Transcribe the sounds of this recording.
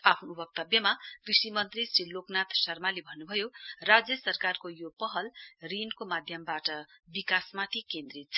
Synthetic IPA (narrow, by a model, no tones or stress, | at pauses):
apʰnoubʱʌɡ̚t̪ʌbjʌmakrisimʌnt̪risriloknat̪ʰsʌrmalebʱʌnːubʱʌjorad͡zjʌsʌrkarkojopʌɦʌlrinkomad̪ʱjʌmbaʈʌbikasmat̪ʰikend̪rit̪̚t͡sʰ